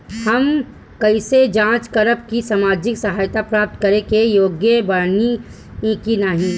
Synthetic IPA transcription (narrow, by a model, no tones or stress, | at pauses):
hɐm | kɐɪsed͡ʒãːt͡ʃkəɾəpkisamaːd͡ʒɪksɐɦaːjt̪apɾaːp̚t̪kəɾekejoːɡjəbəɽni | ĩkinaɦĩː